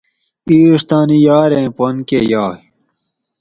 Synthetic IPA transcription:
iːʂt̪aːnijaːɾẽpɐnkeːjaː

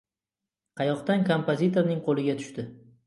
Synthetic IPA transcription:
qʰɑjɒqt̪ankʰompozit̪oɾnɪŋqʰolɪɡʲat̪ʰʊ̥ʃt̪ɪ

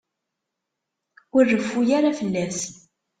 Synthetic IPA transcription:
ərːəfːujaɾafəlːæs

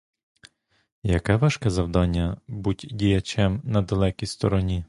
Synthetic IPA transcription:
jɐkɛʋɑʃkɛzɐwd̪ɑnʲːɐbutʲdʲijɐt͡ʃɛmnɐd̪ɐlˠɛkʲist̪ɔɾɔnʲi

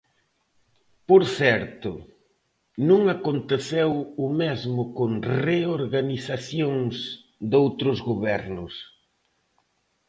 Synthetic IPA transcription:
poɾθɛɾt̪ʊ̰ | nũŋakont̪eθewʊmezmʊkoŋreoɾɣaniθaθjoŋs | d̪owt̪ɾʊzɣoβɛɾnʊs

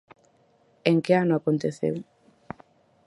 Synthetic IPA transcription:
eŋkeanʊakont̪eθḛw

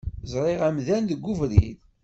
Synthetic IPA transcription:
zˤɾˤɪʁæmðænðəɡːuvɾið

